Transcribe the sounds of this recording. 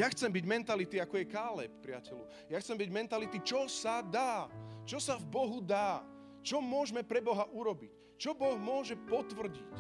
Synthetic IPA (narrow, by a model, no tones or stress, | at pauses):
jaxt͡sɛmbiɟmɛnt̪alit̪iakɔjɛkaːlɛ̰p̚pːɾɪacɛlu | jaxt͡sɛmbiɟmɛnt̪alit̪it͡ʃɔsad̪aːt͡ʃɔsavbɔɦud̪aː | t͡ʃɔmʊɔʒmɛpɾɛbɔɦaʔuɾɔbic | t͡ʃɔbɔɣmʊɔʒɛpɔt̪ʋr̩ɟḭc